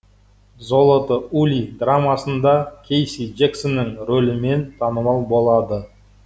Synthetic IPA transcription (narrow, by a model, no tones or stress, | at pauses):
zo̞lˠot̪əulʲid̪ramɑsənd̪ɑkʲʰejsid͡ʒeksonːəŋɾolɪme̞nt̪ʰɑnəmɑlˠbo̞lˠɑd̪ə